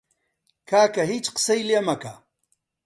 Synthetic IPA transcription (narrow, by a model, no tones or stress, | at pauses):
kʰaːkɐɦit͡ʃqsɐjljemɐka̰